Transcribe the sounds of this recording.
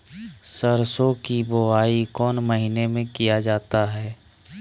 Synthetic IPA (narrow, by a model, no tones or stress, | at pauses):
səɾsõkiboaːikɔːnməɦinemẽkijad͡ʒaːt̪aɦɛː